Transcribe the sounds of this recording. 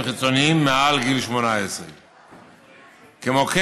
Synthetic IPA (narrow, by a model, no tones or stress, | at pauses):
χit͡so̞niimːealɡilʃmonaesʁe | kemoke